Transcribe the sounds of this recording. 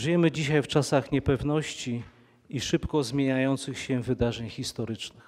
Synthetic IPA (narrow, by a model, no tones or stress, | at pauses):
ʐɨjɛmɘd͡ʑiɕajft͡ʂasaxɲɛpɛvnɔɕt͡ɕi | iʂɘpkɔzmʲjeɲajɔnt̪sɘxɕɛvɘd̪aʐɛɲxʲist̪ɔɾɘt͡ʂnɘx